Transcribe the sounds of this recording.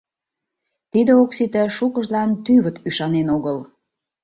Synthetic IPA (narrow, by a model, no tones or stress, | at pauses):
t̪id̪əoksit̪əʃukə̆ʒlɑnt̪yβət̪yʃɑnenoɣəl